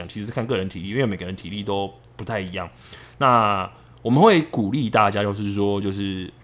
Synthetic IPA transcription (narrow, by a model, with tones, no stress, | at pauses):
ŋt͡ɕʰi˧˥˧kʰa˥˧nkɤ˥˩ɻə˧˦nt̪ʰi˨li˥˨˥we˥˧˩me˨˩ɡə˦ɻə˧˦nt̪ʰi˨˦li˥˩t̪o˥ʊ | pu˧˥t̪ʰa˥˩ɪi˧˦jɑ˥˩ŋ | na˥˨ | wɔ˨˩mə˨nxwe˥˩ɪku˨˩li˥˧t̪a˥˧t͡ɕja˦t͡ɕjo˥˧ʊʂ̬ɻ̩˥˩swɔ˦˥t͡ɕjo˥˧ʊʂɻ̩˥˩